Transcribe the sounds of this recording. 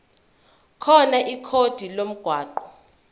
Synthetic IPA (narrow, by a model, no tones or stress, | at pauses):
kʰɔnaʔikʰod̥ʱilom̩ɡ̥ʱwaːǃɔ̥